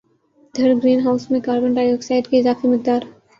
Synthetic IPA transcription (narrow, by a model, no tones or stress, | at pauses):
d̪ʱɐɾɡɾiːnɦaːʊsmẽkaːɾbə̃ɳʈaːjoːɡsaːɪɖkeɪzaːfimɪq̚d̪aːɾ